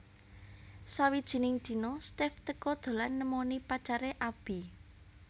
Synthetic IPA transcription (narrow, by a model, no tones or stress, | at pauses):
sawid̥ʒ̥i̤nɪŋd̪̥i̤nost̪ɛft̪əkɔd̪̥o̤lanːəmonipat͡ʃaɾeʔab̥i̤